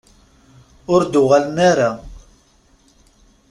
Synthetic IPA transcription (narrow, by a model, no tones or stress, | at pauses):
ʊɾd̪ʊʁalənaɾa